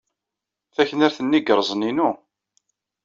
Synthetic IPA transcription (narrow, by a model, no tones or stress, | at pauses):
θæçənaɾθənːiɡəɾˤzˤninu